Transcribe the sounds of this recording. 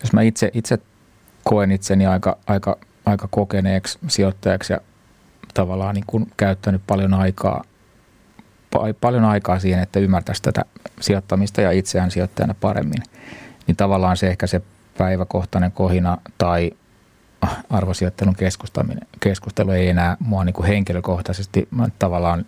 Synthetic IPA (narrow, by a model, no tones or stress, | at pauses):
josmæit̪seʔit̪se | koenit̪seniɑikɑ̰ɑikɑ | ɑikɑkokeneːkssiot̪ːɑjɑksjɑ̰ | t̪ɑʋɑlːˑɑːnniːŋkunkæyt̪ːænyppɑljonɑikʰɑ̰ː | pɑ̰ipɑljonɑikɑːsiːhenet̪ːæymːært̪æst̪æt̪æ̰siot̪ːɑmist̪ɑjɑit̪seæːnsiot̪ːɑjɑ̰nːɑpɑrḛmːḭnnint̪ɑʋɑlːˑɑːnseehkæse | pæiʋækoht̪ɑneŋkohinɑt̪ɑi | ɑrʋosiot̪ːeluŋkeskust̪ɑ̰mḭnekeskust̪elueienæːmuɑniːŋkuheŋkiløkoht̪ɑsest̪imtt̪ɑʋɑlːˑɑːn